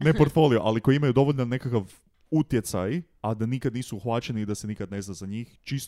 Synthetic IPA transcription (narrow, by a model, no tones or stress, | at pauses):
nnepoɾt̪fo̞lioʔa̰liko̞jiimajud̪o̞ʋoʎnane̞kakaʋ | ut̪je̞t̪sa̰j | ad̪anikad̪niːsuuxʋat͡ʃenid̪ase̞nikad̪ne̞znazaɲiːxt͡ʃist̪